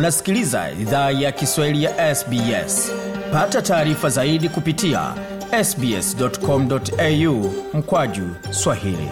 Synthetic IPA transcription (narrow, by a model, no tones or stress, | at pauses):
nasi̥kiliza̰ḭðaːjakiswahilijaʔɛsbiɛ̰spatataːɾifazaiɗikupitia̰ | ɛsbiɛ̰sdɔtkɔm̩dɔtɛjum̩kwaʄu | swahḭlḭ